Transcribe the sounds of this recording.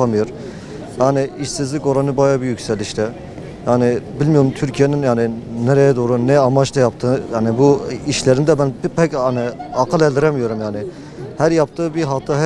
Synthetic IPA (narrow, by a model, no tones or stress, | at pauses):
amɯjoɾ | jaːnɪiʃsizlʲiko̞ɾanɯbajabijycsɛlʲiʃt̪ɛ | jaːnɪbilʲmijo̞ɾumt̪ʰyɾcʰijeninjaːnɪneɾejɛd̪oːɾunɛamat͡ʃt̪ajap̚t̪ʰɯːjaːnibuiʃlʲeɾind̪ɛbænpʰɛcaniakʰɯlɛlʲd̪iɾɛmijo̞ɾumjaːnɪ | hæɾjapt̪ʰɯːbiɦat̪ʰaɦ